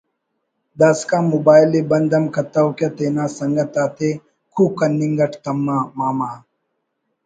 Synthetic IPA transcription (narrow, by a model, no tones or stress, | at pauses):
d̪aːskãːmobaːjlebɐnd̪ɐmkɐt̪ɐwkjɐt̪eːnãːsɐŋɡɐt̪aːt̪ʰe | kʰukːɐnːiŋɡɐʈʰt̪ɐmːaːmaːmaː